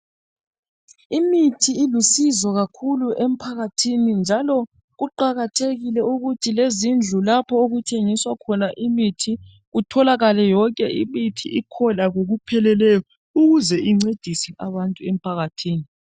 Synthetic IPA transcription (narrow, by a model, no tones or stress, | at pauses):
imitʰiilusizɔɣakʰuluʔem̩pʰaɣatʰinind͡ʒʱalɔ | ɣuǃaɣatʰeɣilɛuɣutʰilezind͡ɮʱulapʰɔoɣutʰeŋiswakʰɔnaʔimitʰi | ɣutʰɔlaɣalɛjɔŋkʼɛimitʰḭʔikʰɔlaɣoɣupʰɛlɛlɛjɔ | uɣuzɛʔiŋ͡ǀed̥ʱisɛʔaβantʼuɛm̩pʰaɣatʰiːni